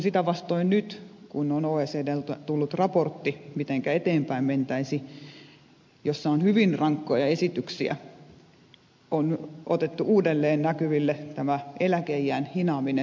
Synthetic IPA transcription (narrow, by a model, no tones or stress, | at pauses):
sit̪æʋɑst̪oinnyt̪kunonoːeːseːdelt̪t̪ulːut̪rɑport̪ːimit̪eŋkæet̪eːmpæimment̪æisi | josːɑonhyʋinrɑŋkːojɑesit̪yksiæ̰ | ono̰t̪et̪ːuʔuːdelːeːnnækyʋilːet̪æmæelækeijːæːnhinɑːmine